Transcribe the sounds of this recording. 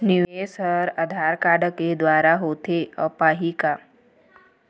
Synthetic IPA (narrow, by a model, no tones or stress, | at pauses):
niesəɾəd̪ʱaːɾkaːɖked̪waːɾaɦoːt̪eəpaːɦika